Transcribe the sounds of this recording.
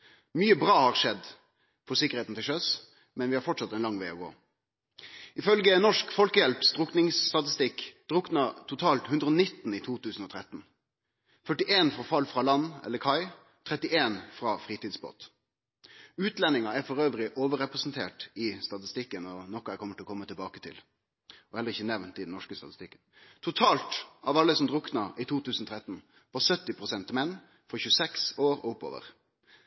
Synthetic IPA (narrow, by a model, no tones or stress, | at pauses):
myːəbʁɑːhɑːʁʂɛd̪ | fɔsɪkəɾeːt̪n̩t̪ʰɪlʃœs | mɛnʋɪhɑːɾfɔʈʂɑt̪ːɛnlɑŋːʋeɪɔɡo̰ː | ɪfœlɡənɔʂkfɔlkəjɛlpsd̪ʁʊknɪŋst̪ɑt̪ɪst̪ɪkːd̪̥ʁʊknɑt̪ʰʊt̪ʰɑːlt̪hʉnd̪ʁəɔnɪt̪ːn̩iːt̪ʰuːt̪ʰʉːsn̩ɔːt̪ʰɾɛt̪n̩ | fœʈɪʔeːnfʁɑfɑlːfɾɑlɑnɛ̰ləkʰɑɪ | t̪ʰʁɛt̪ɪʔeːnfʁɑːfʁiːt̪iːd̪sbo̰ːt̪ | ʉːt̪lɛnːɪŋɑæɾfɔɾøːʋɾɪʔoːʋəɾɛpɾɛsnt̪ʰeːʈɪst̪ɑt̪ɪst̪ɪkːənɔnɔkːʊæɪkʰɔməʈʰɪlɔkɔmːət̪ʰɪlbɑːkət̪ʰɪ̰l | ɔhɛləʁɪçːənɛʋnt̪ɪd̪ɛn̩ɔʂkəst̪ɑt̪ɪst̪ɪkːən | t̪ʰʊt̪ʰɑːlt̪ɑʋɑlːəsɔmd̪ɾʊknɑʔɪt̪ʰuːt̪ʰʉːsn̩ɔt̪ʰɾɛt̪n̩ | pɑsœt̪ːɪpʰʁʊsɛnt̪mɛnː | fɔçʉːəsɛksoːɾɔʊpːo̰ːʋə̰ɾ